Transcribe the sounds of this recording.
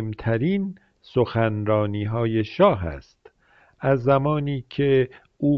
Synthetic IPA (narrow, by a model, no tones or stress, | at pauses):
mt̪ʰæɾiːn | soxænɾɒːniːɦɒːje̞ʃɒːɦæ̰st̪ | ʔæzːæmɒːniːcʰe | uː